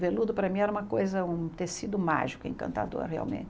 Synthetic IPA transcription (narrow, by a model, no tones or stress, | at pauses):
velud̪ʊpɾɐmĩɛɾɐũmɐkojzɐũt̪esid̪ʊma̰ʒikʊḛ̃ŋkɐ̰̃nt̪a̰d̪o̰ɾhea̰wmḛ̃nt͡ʃ